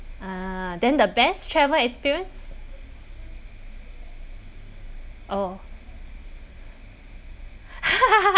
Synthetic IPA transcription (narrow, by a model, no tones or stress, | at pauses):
adɛ̃ndəbɛstʰɹɛvəlɛkspiɹə̃ns | ʔo